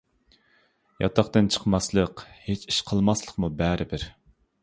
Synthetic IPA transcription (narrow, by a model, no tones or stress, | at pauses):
jɑ̰t̪ʰɑχt̪ɨnt͡ʃʰə̥qmɑslˠəqhet͡ʃi̥ʃqʰəlˠmɑslˠəqmubæɾɪbɪɾ